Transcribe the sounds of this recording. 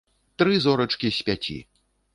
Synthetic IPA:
t̪ɾɨzɔɾɐt͡ʂkʲisʲpʲat͡sʲḭ

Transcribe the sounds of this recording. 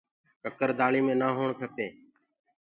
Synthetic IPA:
kəkəɾd̪aːɭiːmẽːnaːɦoːɳpʰəpeː

